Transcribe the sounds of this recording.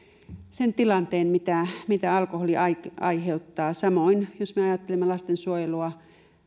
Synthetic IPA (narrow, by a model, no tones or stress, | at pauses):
sent̪ilɑnt̪eːnmit̪æmit̪æɑlkoholiɑɑ̰iheut̪ːɑːsɑmoinjosmeɑjɑt̪ːelimːelɑst̪ensuojeluɑ